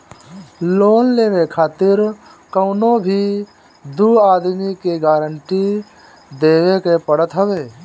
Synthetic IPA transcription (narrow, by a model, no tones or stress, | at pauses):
loːnleːʋekʰaːt̪ɪɾ | kəʊnobʱi | d̪uːaːd̪mikeɡaːɾəɳʈi | d̪eːʋekepəɽət̪ɦəʋeː